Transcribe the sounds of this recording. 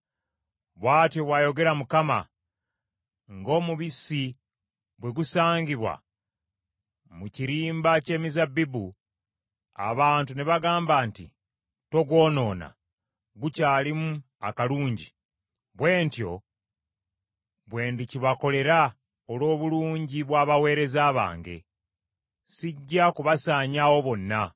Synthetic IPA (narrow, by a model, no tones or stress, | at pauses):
βwaːtjo̞βwajo̞ɡe̞ɾamukama̰ | ŋɡo̞ːmuβisi | bwe̞ɡusaːɲɟiβwa̰ | muciɾiːmbace̞ːmizabːibu | a̰βaːntuneβaɡaːmbaːntḭ | to̞ɡwo̞ːno̞ːna̰ | ɡucaːlimu | akaluːɲɟi | βwe̞ːntjo̞̰ | βwe̞ːndiciβako̞le̞ɾa | olo̞ːβuluːɲɟiβwaːβawe̞ːɾe̞zaːβa̰ːŋɡe̞̰ | siɟːakuβasaːɲawo̞βo̞nːa